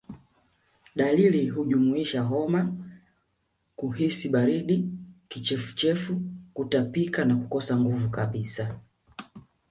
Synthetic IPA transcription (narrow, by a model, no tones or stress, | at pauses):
ɗaliliɦuʄumuiʃaɦɔma | kuɦisiɓaɾiɗikit͡ʃɛfu̥t͡ʃɛfukutapikanakukɔsaŋɡuvukaɓisa